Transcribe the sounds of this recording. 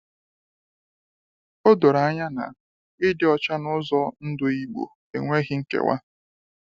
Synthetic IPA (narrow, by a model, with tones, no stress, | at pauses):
o˦do˨ɾa˨a˦ɲa˦na̰˨ | ɪ˦dɪ˦ɔ˦t͡ʃa˦nʊ˦zɔ˦n̩˦dʊ˦i˦ɡ͡bo̰˨ | ḛ˨ŋʷe˦ɦɪ˦ŋ̩˦kḛ˨wa̰˦